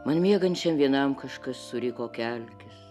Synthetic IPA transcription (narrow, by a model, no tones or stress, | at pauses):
mɐnmʲiɛɡɐnʲt͡ʃʲɛmʋʲiɛnɐmkɐʃkɐsːʊɾʲɪkoːkʲɛlʲkʲʊs